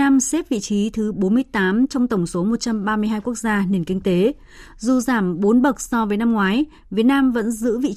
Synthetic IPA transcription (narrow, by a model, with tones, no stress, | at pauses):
naː˧mse˦˥p̚vḭ˧˨t͡ɕi˨˦t̪ʰɨ˨˦ɓo˨˦nmɨ˧əjt̪aː˨˦mt͡ɕɔ˧wŋ͡mt̪ə˧˩wŋ͡mso˨˦mo˨˩t̚t͡ɕa˧mɓaː˧mɨ˧əɦaː˧jku˦˥ək̚zaː˧ne˨˩nkï˧ŋ̟t̪e˨˦ | zu˨˩zaː˧˩mɓo˨˦nɓə˨˩k̚sɔ˧vəː˨˦jna˧mŋwaː˨˦j | vi˨˩ət̚naː˧mvə̰˧˥nzɨ̰˧˥vḭ˧˨